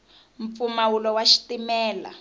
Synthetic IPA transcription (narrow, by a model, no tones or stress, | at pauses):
ɱp̪fumawulɔwaʃi̥timɛːla̰